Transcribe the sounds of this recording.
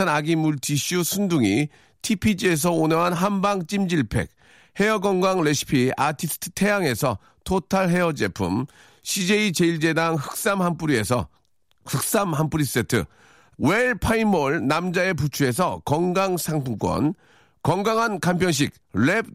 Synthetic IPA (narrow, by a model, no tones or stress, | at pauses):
anaɡimuɭtʰiɕʰusʰunduŋi | tʰipʰid͡ʑie̞s̬ʰʌonʌŋɦanɦambaŋt͡ɕ͈imd͡ʑiɭpʰe̞̰k̚ | he̞ʌɡʌŋɡaŋɭeɕʰi̥pʰiatʰisʰɯ̥tʰɯ̥tʰe̞jaŋe̞sʰʌ | tʰotʰaɭɦe̞ʌd͡ʑepʰṵm | ɕʰid͡ʑe̞it͡ɕe̞iɭd͡ʑe̞daŋhɯk̚s͈amhamp͈uɾie̞sʰʌ̰ | hɯk̚s͈amɦamp͈uɾis͈e̞tʰɯ̰ | weɭpʰaimʌɭnamd͡ʑae̞p̬ut͡ɕʰue̞s̬ʰʌkʌŋɡaŋsʰaŋpʰuŋk͈wʌ̰n | kʌŋɡaŋɦankampʰjʌnɕ̬ik̚ɭeb̚